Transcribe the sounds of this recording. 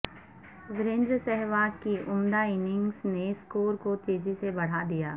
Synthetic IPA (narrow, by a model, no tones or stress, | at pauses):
ʋɪɾẽːnd̪ɾəsɛɦʋaːkiʊmd̪aɪnɪ̃ŋɡsneskoːɾkot̪eːzisebɐɽ̤ad̪ijaː